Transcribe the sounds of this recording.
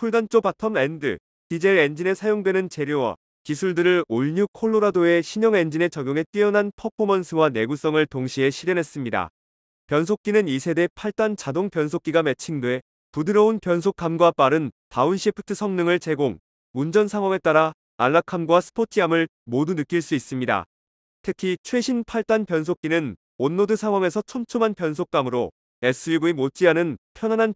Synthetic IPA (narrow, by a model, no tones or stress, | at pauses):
pʰuɭdant͡ɕ͈obatʰʌme̞ndɯ̰ | tid͡ʑe̞end͡ʑine̞sʰajoŋdwe̞nɯnt͡ɕe̞ɾjowʌ̰ | kisʰuɭdɯɾɯɭoʎɲukʰoɭːoɾadoe̞ɕʰiɲʌŋe̞nd͡ʑine̞t͡ɕʌɡjoŋe̞t͈iʌnɦanpʰʌpʰomʌnsʰɯwane̞ɡus͈ʌŋɯɭtoŋɕʰie̞ɕʰiɾjenɦe̞s͈ɯmɲida̰ | pjʌns̬ʰok̚k͈inɯnisʰe̞de̞pʰaɭt͈ant͡ɕadoŋpjʌnsʰok͈iɡamet͡ɕʰindwe̞ | pudɯɾʌunpjʌnsʰok͈ʰamɡwap͈aɾɯntaunɕʰipʰɯ̥tʰɯsʰʌŋnɯŋɯɭt͡ɕe̞ɡoŋ | mund͡ʑʌnsʰaŋwaŋe̞t͈aɾa̰ː | nːakʰamɡwasʰɯ̥pʰotʰiamɯɭ | modunɯk͈iɭs͈uis͈ɯmɲida̰ | tʰɯkʰit͡ɕʰwe̞ɕʰinpʰaɭt͈anpjʌns̬ʰok͈inɯn | onːodɯsʰaŋwaŋe̞sʰʌt͡ɕʰʌmt͡ɕʰumanpjʌns̬ʰok͈amɯɾo | e̞s͈ʰɯibuemot͡ɕ͈iɦanɯnpʰjʌnɦanɦan